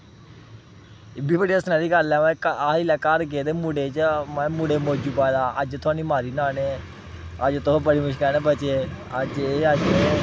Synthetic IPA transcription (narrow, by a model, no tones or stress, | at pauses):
ɪbiːbəɽiːəsnaːɾiːɡəlɛːmɛ̃ːkailɛːkəɾɡeːd̪eːmʊɽeːt͡ʃmɛ̃ːmʊɽeːmoːd͡ʒuːpaːd̪aːəd͡ʒt̪ʰʊaːniːmaːɾiːnaːneː | əd͡ʒt̪obəɽiːmʊʃkəːneːbət͡ʃeː | əd͡ʒeːəd͡ʒ